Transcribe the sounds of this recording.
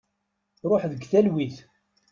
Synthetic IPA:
ɾˤoħðəɡθælwiθ

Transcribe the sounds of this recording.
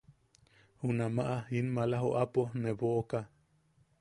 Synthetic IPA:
hunamaʔainmalaɦoʔaponeβoʔoka

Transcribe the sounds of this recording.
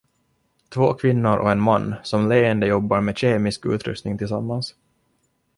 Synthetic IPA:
t̪ʰvoːkʰvɪnːʊɾʔɔ̰ɛnmanːsɔmleːənd̪əjɔbːaɾmeːɕeːmɪskʉ̰ːt̪ɾɵ̰st̪nɪŋt̪ʰɪlsamːans

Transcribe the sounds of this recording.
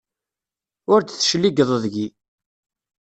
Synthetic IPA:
ʊɾd̪θəʃlːiɡðˤəðɡi

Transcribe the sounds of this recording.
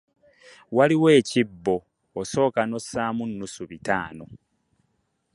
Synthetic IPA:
waliwe̞ːcibːo̞ː | so̞ːkano̞sːaːmunːusuβitaːno̞

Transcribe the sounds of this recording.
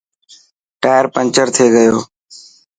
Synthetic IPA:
ʈaːjəɾpənt͡ʃəɾt̪ʰeːɡəjoː

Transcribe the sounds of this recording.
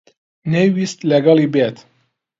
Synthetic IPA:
nɛwist̪lɛɡɑlibɛt̪

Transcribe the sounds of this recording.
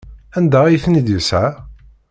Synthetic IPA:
ænd̪æjθnid̪jəsʕa

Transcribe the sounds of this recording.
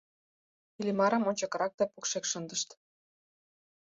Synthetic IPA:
ilʲimɑɾə̆monʲt͡ɕɑkɤɾɑk̚d̪ɑpukʃekʃə̆nd̪əʃt̪

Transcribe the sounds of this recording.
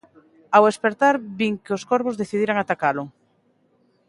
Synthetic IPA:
awespeɾt̪aɾβiŋkɪoskoɾβʊzðeθiðiɾaŋat̪akalʊ

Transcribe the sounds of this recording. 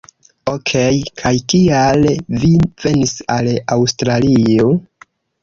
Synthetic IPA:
okʰejkʰajkialvive̞nisalawstɾalio

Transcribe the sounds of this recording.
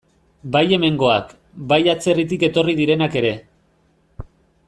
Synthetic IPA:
baje̞me̞ŋɡo̞a̰k | bajat͡se̞rit̪̬ike̞t̪o̞rið̞iɾe̞nake̞ɾe̞

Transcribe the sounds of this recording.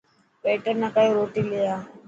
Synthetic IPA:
peːʈəɾnəkaːjõɾoːʈiːlɪjaː

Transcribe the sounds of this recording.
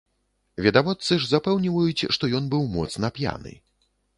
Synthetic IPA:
vʲɛd̪avɔt̪sɨʐzapɛwnʲivɐjut͡sʲʂt̪ɔjɔnbɨwmɔ̰t̪snɐpʲja̰nɨ̰

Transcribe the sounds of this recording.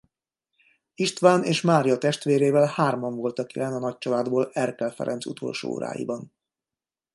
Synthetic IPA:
iʃt̪ʋaːneːʃmaːɾjɒt̪ɛʃt̪ʋeːɾeːvɛlhaːrmɒɱvo̞lt̪ɒkilɛnɒnɒc̚t͡ʃɒlaːd̪boːlɛrkɛlfɛ̰ɾʔɛ̰nt̪sṵt̪ʰo̞̰lʃo̰ːo̰ːɾa̰ːjḭbɒn

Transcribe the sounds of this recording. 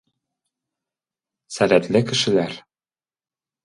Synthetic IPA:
sælæt̪lɘkɘ̆ʃɘ̆læɾ

